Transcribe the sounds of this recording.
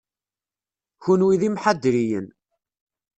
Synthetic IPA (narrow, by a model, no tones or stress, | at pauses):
çunwiðimħad̪ːɾijən